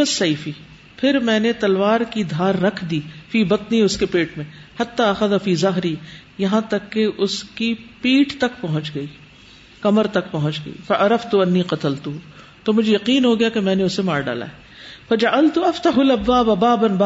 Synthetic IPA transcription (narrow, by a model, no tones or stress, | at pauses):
ɐsːɐjfi | pʰɪɾmɛ̃ːnet̪ɐlʋaːɾkid̪ʱaːɾːɐkʰd̪iːfiːbɐt̪niʊskepeːʈmẽhɐt̪ːaːɐxɐðɐfiːzɐɦɾi | jɐɦãt̪ɐkːeʔʊskipiːʈt̪ɐkpɐɦʊ̃nt͡ʃɡɐiː | kɐməɾt̪ɐkpɐɦʊ̃nt͡ʃɡɐ̰ḭːfɐʔɐɾɐft̪uɐnːiːqɐt̪əlt̪u | t̪oːmʊd͡ʒʱejɐqiːnɦoɡɐjakemɛ̃ːneʊsemaːɾɖa̰ːla̰ːɛ | fɐd͡ʒɐʕɐlt̪uɐft̪ɐɦʊlɐbːaːbɐbaːbɐnba